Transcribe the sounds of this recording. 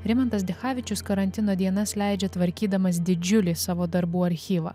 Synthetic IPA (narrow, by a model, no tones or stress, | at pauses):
ɾʲɪmɐnt̪ɐsd̪ʲɛxɑːʋʲɪt͡ʃʲʊskɐɾɐnʲt̪ʲɪnoːd̪ʲiɛnɐslʲæɪd͡ʒʲɛt̪ʋɐɾʲkʲiːd̪ɐmɐs̬d̪ʲɪd͡ʒʲʊlʲiːsɑːʋoːd̪ɐɾbuːɐɾʲxʲiːʋɐ̰ː